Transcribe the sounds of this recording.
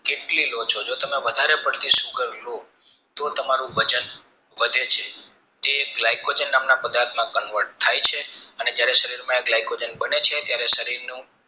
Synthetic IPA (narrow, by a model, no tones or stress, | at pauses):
keʈlilot͡ʃʰod͡ʒot̪əmeʋəd̪ʱaɾepəɽt̪iʃũkəɾlo | t̪ot̪əmaɾũʋʱəd͡ʒən | ʋəd̪ʱet͡ʃʰe | t̪eːklajkod͡ʒənːamnapəd̪aɾt̪mãkənʋəʈ̚t̪ʰajt͡ʃʰeəned͡ʒjaɾeʃəɾiɾmãeklajkod͡ʒənbənet͡ʃʰet̪jaɾeʃəɾiɾnũ